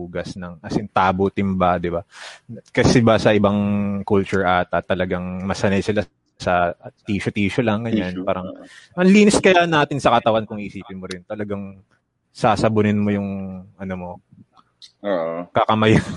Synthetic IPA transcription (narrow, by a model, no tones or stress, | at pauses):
uːɡɐsnɐŋɐsɪnt̪aːbot̪ɪmbad̪ɪbakɐsɛbasɐʔɪbaŋkult͡ʃʊɹʔaːt̪ɐt̪ːɐlɐɡaŋmɐsɐnɐjsɪla | sɐt̪iːʃot̪iːʃolɐŋɡɐɲanpaːɾɐŋʔɐŋliːnɪskɐjanaːt̪ɪnsɐkɐt̪ɐwankʊŋʔiːʔɪsiːpɪnmoɾɪnt̪ɐlɐɡaŋ | saːsɐbʊnɪnmo̞jʊŋɐnomo̞ | oʔkɐkɐmɐja